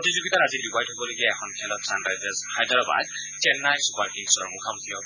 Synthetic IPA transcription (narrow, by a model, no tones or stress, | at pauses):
otizuɡitaɹazidibajtɦobɔloɡiɛɛxʰɔnkʰɛlɔtsandɹajzashajdʱaɹɔba̰d̚ | t͡ʃɛnːajsupaɹkiŋsɔɹmukʰamutʰiɔ